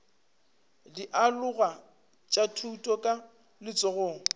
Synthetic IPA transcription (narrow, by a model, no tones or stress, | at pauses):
diʔalʊɣa | t͡ʃʼatʰutʼɔkʼa | lɪt͡sʼɔɣɔːŋ̩